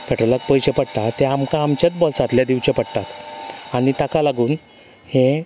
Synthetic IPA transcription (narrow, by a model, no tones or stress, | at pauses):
kəʈələk̚pəjɕepəɽt̪at̪eamkãːmt͡ɕet͡sbɔlsat̪ljad̪iʋt͡ɕepəɽt̪at̪aɽ̃it̪akalaɡuːn | he